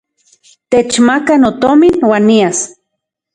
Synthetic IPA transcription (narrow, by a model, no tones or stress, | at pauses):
t̪et͡ʃmakanot̪ominwaːnːias